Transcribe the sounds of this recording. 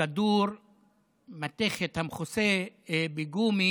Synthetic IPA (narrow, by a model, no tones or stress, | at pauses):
ad̪uɾ | mat̪eχet̪hamχusebeɡumi